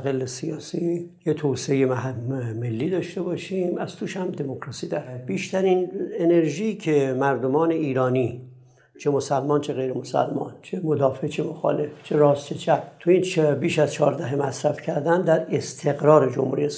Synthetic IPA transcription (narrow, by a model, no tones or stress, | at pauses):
ɣelːesijɒːsijet̪ʰoseejemæɦme̞lːiːd̪ɒːʃt̪e̞bɒːʃiːmæz̥t̪ʰuːʃhæmd̪emokʰɾɒːsid̪ɒɾæbiːʃt̪æɾinene̞ɾʒicʰemæɾd̪o̞mɒːne̞iːɾɒːni | t͡ʃʰe̞mo̞sælmɒːnt͡ʃʰe̞ɣejɾemosæ̰lmɒ̰ːnt͡ʃʰemod̪ɒːfe̞t͡ʃʰemoxɒ̰ːle̞ft͡ʃʰeɾɒːst͡ʃʰet͡ʃʰæbt̪ʰuint͡ʃbiːʃæzt͡ʃʰɒːɾd̪æɦemæsɾæfcʰæɾd̪ænd̪æɾe̞st̪ʰe̞ɣɾɒːɾed͡ʒo̰mhṵːɾijes